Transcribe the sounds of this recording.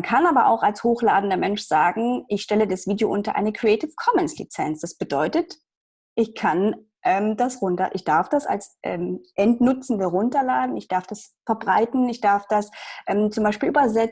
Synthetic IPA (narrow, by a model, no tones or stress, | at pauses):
ankʰanʔaːbɐʔa̰ʊxalshoːxlaːdn̩dɐmɛnʃz̥aːɡŋ̩ɪçʃtɛlədasv̥iːdeo̰ʔʊntɐʔa̰ɪnəkʁ̥iɛtɪfkʰɔmɛnslḭt͡sɛnsd̥asb̥ədɔʏtət | ʔɪçkʰan | ʔɛːmdasʁʊntɐ̰ʔɪçd̥aɐfd̥asa̰lsʔɛ̰ːmʔɛntnʊt͡sn̩dəʁʊntɐlaːdn̩ɪçd̥aɐfd̥asfɛɐbʁaɪtn̩ɪçd̥aɐfd̥asʔɛːmt͡sʊmbaɪʃpiːlʔyːbɐzɛ